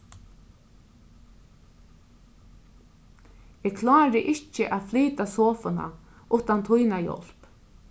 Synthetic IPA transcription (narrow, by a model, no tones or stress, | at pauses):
ɛːkʰlɑːɾɪʔɪt͡ʃəʔaːðfliːt̪asɔːfʊna̰ | ʔʊht̪ant̪ʰʊjnajɔ̰l̥p